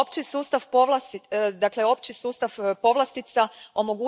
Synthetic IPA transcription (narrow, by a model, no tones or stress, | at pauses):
opt͡ʃisuːst̪aʋpoʋlasd̪akle̞o̞pt͡ʃisuːst̪aʋpo̞ʋlˠast̪it̪sao̞mo̞ɡu